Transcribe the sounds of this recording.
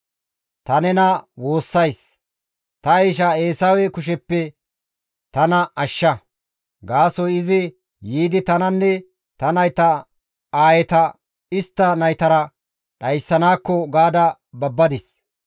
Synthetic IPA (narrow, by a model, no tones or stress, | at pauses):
t̪ɐnɛnɐwo̞ːsːɐjs | t̪ɐjʃ̬ɐe̞ːsɐwɛkʊʃ̬ɛpːɛ | t̪ɐnɐʔɐʃːɐ | ɡaːsɔjɪzɪ | jiːd̪ɪt̪ɐnɐnːɛ | t̪ɐnɐjt̪ɐ | aːjɛt̪ɐ | ɪst̪ːɐnɐjt̪ɐɾɐ | ɗɐjsːɐnaːkːɔɡaːd̪ɐ | bɐbːɐd̪ɪs